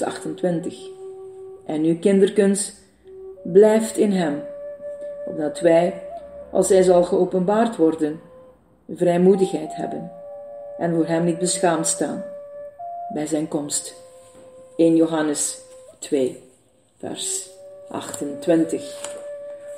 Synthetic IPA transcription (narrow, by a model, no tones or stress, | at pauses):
ɑ̰xtəntʋɪntəx | ʔɛnykɪndərkɵnst | blɛjftɪnɦɛm | ɔ̰b̚dɑtʋɛjʔɑ̰lˠsɦɛjzɑlˠɣəowpənbaːrtʋɔrdən | əvrɛjmudəxɦɛjtɦɛ̰bənʔɛnvʊːrɦɛmnid̚bəsxaːmtsta̰ːn | bɛjzɛjnkɔmst | eːnjoɦɑnəstʋeː | vɛ̰rsʔɑ̰xtəntʋɪntəx